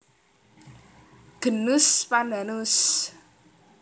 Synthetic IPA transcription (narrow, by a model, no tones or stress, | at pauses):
ɡ̥ə̤nuspandanus